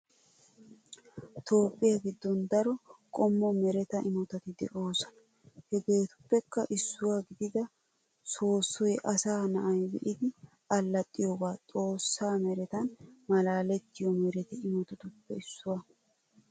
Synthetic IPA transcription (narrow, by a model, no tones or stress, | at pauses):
t̪ʰo̞ːpʼːɪjɐɡɪd̪ːɔnd̪ɐɾɔkʼɔmːɔmɛɾɛt̪ɐʔɪmɔt̪ɐt̪ɪd̪ɛ̰ʔo̞ːsɐ̥ɐ | hɛɡe̞ːt̪ʊ̥pːɛkːɐʔɪsːʊwaːɡɪd̪ɪd̪ɐ | so̞ːsːɔjɛʔɐsaːnɐʔɐjbɛ̰ʔɪd̪ɪ | ɐlːɐt̪ʼːɪjoɡaːt͡sʼo̞ːsːaːmɛɾɛt̪ɐnmɐlaːlɛt̪ːɪjɔmɛɾɛt̪ɪɪmɔt̪ɔt̪ʊpːɛɪsːʊwɐ